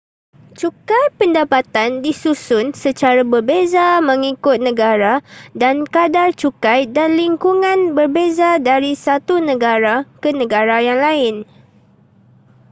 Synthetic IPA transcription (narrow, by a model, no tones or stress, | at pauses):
t͡ʃukajpəndapat̪andisusʊnsət͡ʃaɾabərbezamə̃ŋikʊt̪̚nə̃ɡaɾadankadart͡ʃukajdanliŋkuŋãnbərbezadaɾisat̪unə̃ɡaɾakənə̃ɡaɾajaŋlaɪn